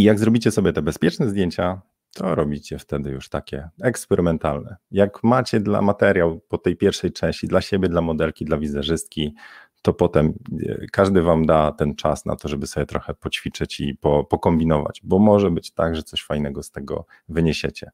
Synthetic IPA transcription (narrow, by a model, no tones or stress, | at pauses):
ijaɡzɾɔbʲit͡ɕɛsɔbʲjɛt̪ɛbɛspʲjɛt͡ʂnɛzd̪ʲjeɲt͡ɕa | t̪ʰɔɾɔbʲit͡ɕɛft̪ɛd̪ɘjuʂt̪akʲɛ̰ɛkspɛɾʔɘmɛnt̪alnɛ̰jakmat͡ɕɛd̪la̰mat̪ɛɾjawpɔt̪ɛjpʲjɛɾfʂɛjt͡ʂɛ̃ɕt͡ɕid̪laɕebʲjɛd̪lamɔd̪ɛlkʲid̪lavʲizaʐɘst̪̚kʲi | t̪ɔpɔt̪ɛm̰kaʐd̪ɘvamd̪at̪ɛnt͡ʂa̰sna̰t̪ɔʐɛbɘsɔbjɛt̪ɾɔxɛpɔt͡ɕfʲit͡ʂɛt͡ɕipɔpɔkɔmbʲinɔva̰d͡ʑbɔmɔʐɛbɘt͡ɕt̪aɡʐɛt̪sɔɕfajnɛɡɔst̪ɛɡɔ̰ | vɘɲeɕḛt͡ɕɛ